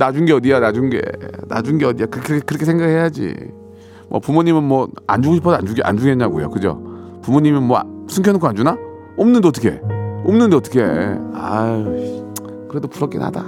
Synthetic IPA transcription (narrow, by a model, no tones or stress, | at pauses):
nad͡ʑuŋɡe̞ʌdijanad͡ʑuŋɡḛna̰d͡ʑuŋɡe̞ʌdijakɯkʰkɯɾʌkʰesʰeŋɡaɡɯɭhɦejad͡ʑḭ | mwʔʌ̰pumoɲimɯnmwʌa̰nd͡ʑuɡoɕʰipʰʌsand͡ʑuɡʔa̰nd͡ʑuɡenɲaɡojo̰kɯd͡ʑo̰ | pumoɲimɯnmwʌsʰɯŋkʰʌnokʰoand͡ʑuna | omnɯndoʌt͈ʰʌ̥kʰe̞̰omnɯndoʌtʰʌ̥kʰea | kɯɾe̞dopuɾʌk͈ḛna̰da̰